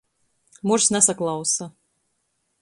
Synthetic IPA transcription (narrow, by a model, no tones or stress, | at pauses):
muɾsnɛsaklˠɑwsa